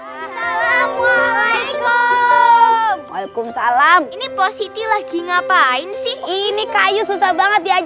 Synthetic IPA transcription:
salam | k | maikʊmsalaminiposit̪ilahɡiŋapaɪnsɪhinikajususahbaŋət̪̚diad͡ʒ

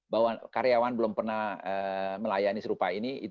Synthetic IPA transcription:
bawakaɾeawanbəlʊmpərnahəməlajanisəɾupainiḭ

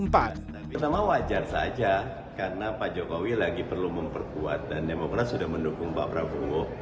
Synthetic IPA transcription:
mpa | t̪amawad͡ʒarsa̰d͡ʒa | kaɾənapad͡ʒokowilaɡipərluməmpərkuat̪̚dandemokɾat̪̚sudahməndukʊŋba̰pɾa̰buʊʔ

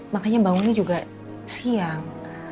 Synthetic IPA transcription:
makaɲabaŋʊŋnid͡ʒuɡa | siaŋ

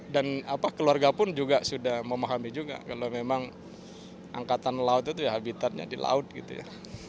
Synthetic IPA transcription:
danapakəluarɡapʊnd͡ʒuɡasudahməmaɦamid͡ʒuɡa̰kalomemaŋ | ʔa̰ŋkat̪anlaʊt̪̚it̪uɦabit̪at̪̚ɲa̰dila̰ʊt̪̚ɡit̪ṵja̰

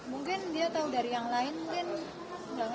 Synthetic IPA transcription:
muŋkɪndiat̪audaɾijaŋlaɪnmuŋkɪn | baŋ

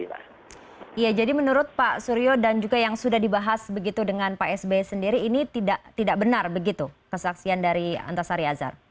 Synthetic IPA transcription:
ijad͡ʒadimənuɾʊt̪̚paʔsuɾiodand͡ʒuɡajaŋsudahdibaɦasbəɡit̪udəŋanpaɛsbesəndiɾiːnit̪idaʔt̪idaʔ̚bənarbəɡit̪ukəsaksiandaɾia̰nt̪asaɾiaza̰r

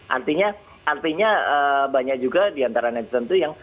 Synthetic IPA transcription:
ʔa̰rt̪iɲa | art̪iɲaəbaɲak̚d͡ʒuɡadiant̪aɾanat̪sənt̪ujaŋ

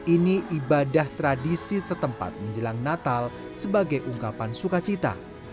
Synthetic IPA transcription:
iniʔibadaht̪ɾadisisət̪əmpa̰t̪̚məɲd͡ʒəlaŋnat̪al | səbaɡajʔuŋkapansukat͡ʃit̪a̰

